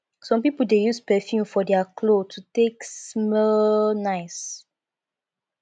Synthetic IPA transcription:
sɔ̃mpipəl̩dejuspɛfjũfɔdɛakʰlotʰuteksmɔnaɪs

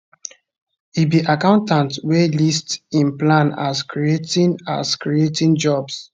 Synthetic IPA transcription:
ibiʔakãʊ̃ntãntwelistĩnplãna̰skʰɹietĩna̰skɹietĩnd͡ʒɔbs

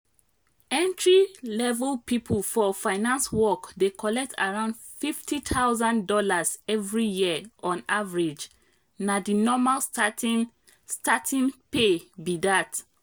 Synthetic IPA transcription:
ɛ̃ntɹilɛvɛlpipʰulfɔfaɪnãnswɔkdekʰɔlɛk̚tʰa̰ɹãʊ̃nd | fiftʰitʰaʊzãndɔlazɛvɹijiəɔ̃navɹid͡ʒ | nadinɔmal | statʰĩnpebidat

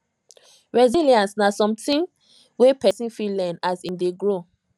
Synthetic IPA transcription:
ɹɛziliãnsnasɔ̃mtĩn | wepʰɛsĩnfilɛnasĩndeɡɹo

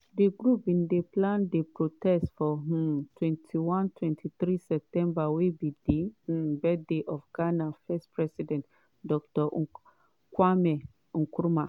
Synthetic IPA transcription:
deɡɾupbĩndeplãndepɹotɛstfɔɦũtʰwɛ̃ntʰiwãntʰwɛ̃ntʰiθɾisɛp̚tɛ̃mbawebideh̩bɛdeʔɔfɡanafɛspɹɛsidɛ̃nt | dɔk̚tɔ | kwamɛ | ũkuɾuma

